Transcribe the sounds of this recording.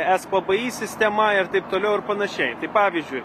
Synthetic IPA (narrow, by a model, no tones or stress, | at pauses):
æːspɐbɐjiːsʲɪsʲt̪ʲɛmɐɐɾt̪ɐɪpt̪oːlʲɛʊɐɾpɐnɐʃʲɛɪt̪ɐɪpɑːʋʲizʲd͡ʒʲʊɪ